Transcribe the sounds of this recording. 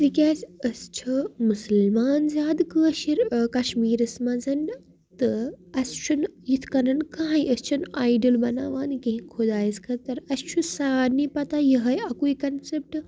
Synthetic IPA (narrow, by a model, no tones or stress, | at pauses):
t̪ikiaːsɐst͡ʃʰɐmusəlmaːnzʲaːd̪kɨɐʃiɾkɐʃmiːɾɐsmɐ̃zɐnɖ | t̪ɨɐst͡ʃʰunjit̪ʰkɐnɐnkãːiɐst͡ʃʰunaːjɖəlbɐnaːʋaːnkɐ̃ɦĩkʰod̪aːiskʰɐt̪ɐɾɐst͡ʃʰusaːnipɐt̪ajɐɦɐjɐkuikɐnsep̚ʈ